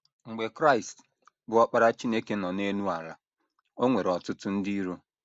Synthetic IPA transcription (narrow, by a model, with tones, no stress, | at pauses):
ŋ͡m̩˨ɡ͡be˨kɾa˦ɪ˨st | bʊ˨ɔ˦k͡pa˦ɾa˦t͡ʃi˦ne˦ke˦nɔ˨ne˦nu˦a˨ɾa˨ | o˦ŋʷe˨ɾɔ˨tʊ˦tʊ˦n̩˦di˦i˦ɾo˦